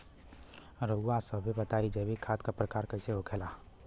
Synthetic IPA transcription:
ɾəasəbʱibət̪aːid͡ʒebʱikʰaːt̪kapɾəkaːɾkəɪseɦokʰelaː

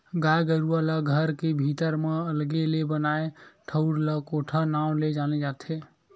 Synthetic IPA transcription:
ɡaɡəɾualaɡʱəɾkebʱit̪əɾmeəlɡelebənaeʈʰəʊɾləkoʈʰənaw̃led͡ʒaned͡ʒat̪ʰe

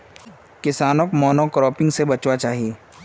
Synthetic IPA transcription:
kɪsaːnokmɔːnokɾɔːpɪ̃ŋɡsebɐt͡ʃwat͡ʃaːɦieː

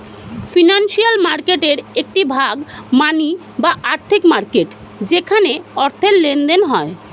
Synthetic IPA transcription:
finanʃialmaɾkeʈeɾek̚ʈibʱaɡmani | baʔaɾt̪ʰikmaɾkeʈ | d͡ʑekʰaneɔɾt̪ʰellend̪enɦɔe

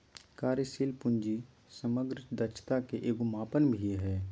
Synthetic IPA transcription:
kaːɾjəsiːlpʊ̃ɲd͡ʒi | səməɡɾd̪ət͡ʃʰt̪akeʔeːɡʊmaːpənbʱiɦɛː

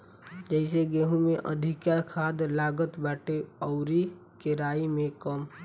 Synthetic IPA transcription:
d͡ʒɛɪseɡeːɦũmẽʔə̰d̪ʱɪkjakʰaːd̪laːɡət̪baːʈeɔʊɾi | keɾaːimẽkəm

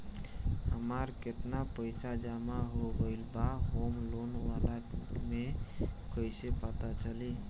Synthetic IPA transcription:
həməɾket̪napəjsad͡ʒamaɦoɡəɪlbaɦomlonʋalamekəjsepət̪at͡ʃəli

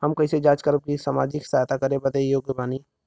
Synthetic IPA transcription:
həmkəɪsed͡ʒaːt͡ʃkəɾəb̚kisamaːd͡ʒɪksaɦt̪ʰakəɾebəd̪ejoːɡjəbaːni

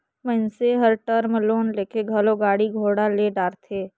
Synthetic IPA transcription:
məɪnseɦəɾʈəɾmloːnleːkeɡʱɐloɡaːɽiɡʱoːɽaleɖaːɾt̪ʰeː

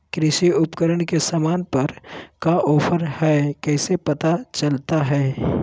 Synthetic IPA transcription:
kɾɪʃiʊpkəɾəɳkesəmaːnpɐɾkaʔɔːpʰəɾhɛkɛːsepət̪at͡ʃəlt̪aɦɛː

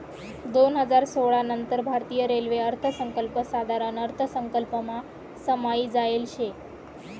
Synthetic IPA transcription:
d̪onɦəd͡zaɾsoɭanənt̪əɾbʱaɾt̪ijəɾelʋeəɾt̪ʰəsəŋkəlpəsad̪ʱaɾənəɾt̪ʰəsəŋkəlpəma | səmaiːd͡zaelɕe

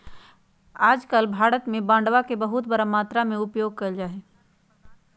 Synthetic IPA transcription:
aːd͡ʒkəlbʱaːɾət̪mẽbãːɳɖʋakebɐɦʊt̪bɐɾamaːt̪ɾamẽʊpjoːɡ̚kɐld͡ʒaːɦeː

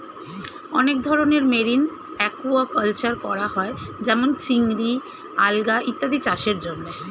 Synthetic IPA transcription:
ɔnek̚d̪ʱɔɾoneɾmeɾin | ɛkuakəlt͡ɕaɾkɔɾaɦɔed͡ʑɛmont͡ɕiŋɾi | alɡaʔit̪ːad̪it͡ɕaʃeɾd͡ʑonːe

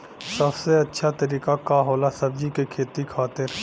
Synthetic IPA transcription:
səbseɐtːʃʰat̪əɾiːkakaɦoːlasəbd͡ʒikekʰeːt̪ikʰaːt̪ɪɾ

